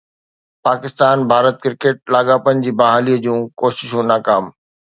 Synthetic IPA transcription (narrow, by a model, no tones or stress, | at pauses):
paːkɪst̪aːnbʱaːɾət̪̚kɪɾkeːʈ̚laːɠaːpənɪ̆d͡ʑiːbɐɦaːliəd͡ʑũːkoːʃɪʃũnaːkaːm